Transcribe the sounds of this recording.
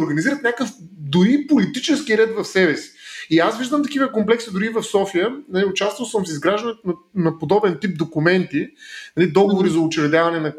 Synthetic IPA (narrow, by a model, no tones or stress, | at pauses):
ɾɡɐniziɾət̪nʲakəfd̪ʊipolit̪it͡ʃɛskiɾɛt̪vɐfsɛbɛsi̥iasviʒd̪əmt̪ɐk̟ivəkomplɛksid̪ʊɾivɐfsɔfijənɐliʊt͡ʃast̪vɐlˠsəmsizɡɾaʒd̪ɐnɛt̪ʊnɐnɐpod̪ɔbɛnt̪ip̚d̪okʊmɛnt̪inɐlid̪ɔɡovoɾizɐʊt͡ʃɛvɛd̪ʲavɐnɛnɐ